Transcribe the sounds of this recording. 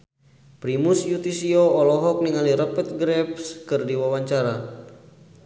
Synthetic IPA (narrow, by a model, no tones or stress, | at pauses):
pɾimusjut̪isioɔlɔɦɔk̚niŋaliɾəpət̪̚ɡɾɛpskɨrdiwawaɲt͡ʃaɾa